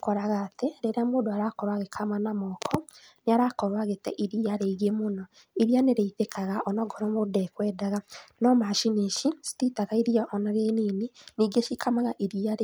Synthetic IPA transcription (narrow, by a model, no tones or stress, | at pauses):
kɔɾaɣateɾeɾeamodoaɾakɔɾwaɣekʰamanamɔkʰɔ | neaɾakɔɾwaɣetɛ̰ʔiɾiaɾeiɣemonɔ | iɾianeɾeitekaɣaʔɔnɔɡɔɾɔmodɛkwɛːdaɣanɔmaʃineʃisi̥titaɣaiɾiaʔɔnaɣenininiɡeʃikʰamaɣaʔiɾiaɾe